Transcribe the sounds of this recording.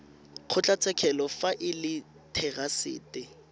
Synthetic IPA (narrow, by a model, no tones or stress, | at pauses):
q͡χʰʊt͡ɬʼat͡sʰɛkʰɛlɔfaʔɪlɪ | tʰɛɣasɪ̰ːtʼɪ